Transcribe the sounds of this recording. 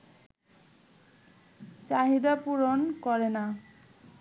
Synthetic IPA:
t͡ɕaɦid̪apuɾonkɔɾena

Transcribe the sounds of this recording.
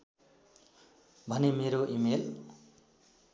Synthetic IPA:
bʱʌnemeɾoʔimel

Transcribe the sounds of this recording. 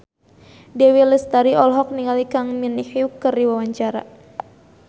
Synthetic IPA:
dɛwiləst̪aɾiɔlɦɔk̚niŋalikaŋminihjukɨrdiwawaɲt͡ʃaɾa̰

